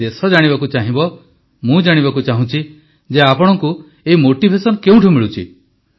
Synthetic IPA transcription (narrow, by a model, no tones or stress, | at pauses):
esɔd͡ʒaɽ̃ibakut͡ʃaɦĩbɔ | mũd͡ʒaɽ̃ibakut͡ʃaɦũt͡ʃʰi | d͡ʒeapɔɽ̃ɔŋku | eɦimoʈibʱesɔnkeũʈʰumiɭut͡ʃʰḭ